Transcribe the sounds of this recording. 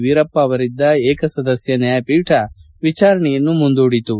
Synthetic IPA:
ʋiɾɐpːɐːʋɐɾid̪ːɐeːkɐsɐd̪ɐsjɐnɐjɐpiːʈʰɐ | ʋit͡ʃaːɾɐɳɛjɐnːumund̪uːɽit̪u

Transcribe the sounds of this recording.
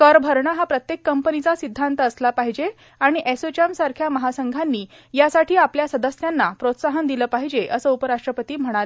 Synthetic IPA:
kəɾbʱəɾɳəɦapɾət̪jekːəmpənit͡sasid̪ʱːant̪əːslapaɦid͡ʑe | aɽ̃iʔesot͡ɕəmsaɾkʰjaməɦasəŋɡʱanːiː | jasaʈʰiːapljasəd̪əsjanːapɾot̪saɦənd̪iləːpaɦid͡ʑeʔəsəːupəɾaʂʈɾəpət̪iːm̤əɽ̃alə

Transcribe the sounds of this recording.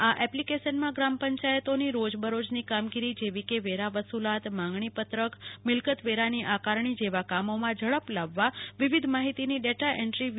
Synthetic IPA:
aʔɛplikeʃənmãɡɾampəɲt͡ʃajət̪oniɾod͡ʒbəɾod͡ʒnikamɡiɾid͡ʒeʋikeʋeɾaʋəsulat̪mãŋɡɳipət̪ɾəkmɪlkət̪ʋeɾaniʔakaɾɳ̃id͡ʒeʋakamomãd͡ʒʱəɭəplaʋːaʋiʋid̪ʱmaɦit̪iniɖeʈaʔɛɳʈɾi

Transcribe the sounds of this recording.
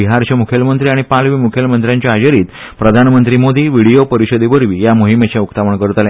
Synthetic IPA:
iɦaɾt͡ɕamukʰjelmənt̪ɾiaɽ̃ipalʋiːmukʰjelmənt̪ɾjãɲt͡ɕaad͡ʑəɾiːt̪ | pɾəd̪ʱanmənt̪ɾimod̪iːʋiɽijopəɾiɕəd̪iʋəɾʋiːjamoɦimet͡ɕjaukt̪aʋəɳkəɾət̪lẽ

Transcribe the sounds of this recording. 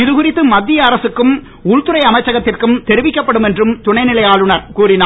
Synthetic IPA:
ɪðɯɣɯɾɪt̪ːɯmɐd̪ːijɐːɾɐsɯkːɯm | ʊɻt̪ɯɾɐɪɐmɐɪt͡ʃːɐɣɐt̪ːɪrkɯmt̪ɛɾɪʋɪkːɐpːɐɽɯmɛndrɯmt̪ʊɳɐɪnɪlɐjaːɭɯɳɐɾkuːrɪnaː

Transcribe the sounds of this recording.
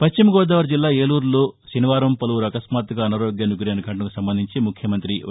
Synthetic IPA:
pɐʃt͡ʃimɐɡɔːd̪aːʋɐɾd͡ʒilːaːeːluːɾloːʃiniʋaːɾɐmpɐluʋuɾɐkɐsmaːt̪ɡɐɐnɐɾoːɡjɐnuɡɾeːnɐɡʰʱɐɳʈɐnɐkusɐmbɐnd̪ʱiɲt͡ʃimukʰjɐmɐnt̪ɾi

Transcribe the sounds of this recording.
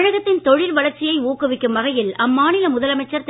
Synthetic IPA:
ɳɐɣɐt̪ːɪnt̪ɔɻɪlʋɐlɐɾt͡ʃːɪjɐɪuːkɯʋɪkːɯmʋɐɣɐjɪlɐmːaːnɪlɐmʊðɐlɐmɐɪt͡ʃːɐɾt̪

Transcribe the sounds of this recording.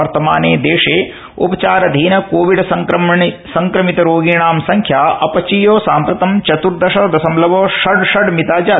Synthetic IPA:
ɐɾt̪ɐmaːneːd̪eːʂeː | ṵpɐt͡ʃaːɾɐd̪ʱiːnɐkoːʋiɖsɐŋkɾmsɐŋkɾɐmit̪ɐɾoːɡiːɳaːmsɐŋkʰjaːʔɐpɐt͡ʃijoːsaːmpɾɐt̪ɐmt͡ʃɐt̪uɾd̪ɐʃɐd̪ɐsɐmlɐʋoːʃɐɖʃɐɖmit̪aːd͡ʒaː

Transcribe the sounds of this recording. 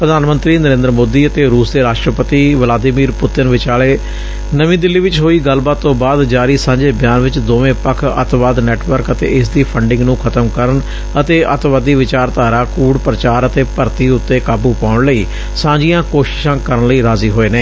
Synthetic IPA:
pɾəd̪ʱaːnmənt̪ɾiːnəɾẽːnd̪əɾəmoːd̪iːət̪eːɾuːsd̪eːɾaːʃʈɾəpət̪iːʋəlaːd̪ɪmiːɾpʊt̪ɪnʋɪt͡ʃaːɭeː | nəʋĩːd̪ɪlːiːʋɪt͡ʃɦoːiːɡəlbaːt̪ːõːbaːd̪d͡ʒaːɾiːsãːɲd͡ʒeːbjaːnʋɪt͡ʃd̪oːʋẽːpəkʰə̰t̪ʋaːd̪nɛːʈʋəɾkət̪ḛːɪsd̪iːpʰəɳɖɪ̃ŋɡnũːkʰət̪əmkəɾən | ət̪eːʔət̪ʋaːd̪iːʋɪt͡ʃaːɾt̪aːɾaːkuːɽpɾət͡ʃaːɾət̪eːpəɾt̪iːʊt̪ːeːkaːbuːpaːʊɳləiː | sãːɲd͡ʒijãːkoːʃɪ̥ʃãːkəɾəɳləiːɾaːziːɦoːeːnẽː

